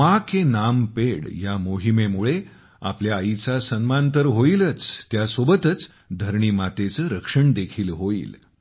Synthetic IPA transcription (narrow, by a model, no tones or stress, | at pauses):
makenampeɽjamoɦimemuɭe | a̰pljaːit͡sasənmãnt̪əɾɦoilət͡st̪jasobət̪ət͡s | d̪ʱəɾɳiːmat̪et͡səɾəkʂəɳd̪ekʰiːlɦoḭːl